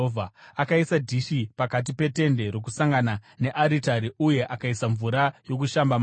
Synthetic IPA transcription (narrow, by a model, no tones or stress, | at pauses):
vʱaakaisadʱiʃipakat̬ipe̞te̞nde̞ɾo̞k̬usaŋɡanane̞ʔaɾitaɾiuje̞ʔakaisaɱvuɾajo̞k̬uʃambam